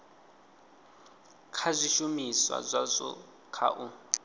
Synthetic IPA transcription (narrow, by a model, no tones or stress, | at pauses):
kʰazʷiʃumiswa̰zʷazʷɔ̰ | kʰa̰ʔu